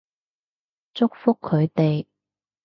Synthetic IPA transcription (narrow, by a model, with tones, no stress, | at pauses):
t͡sʊ˥k̚fʊ˥kʰːɵ˨˧ɥt̪e˨j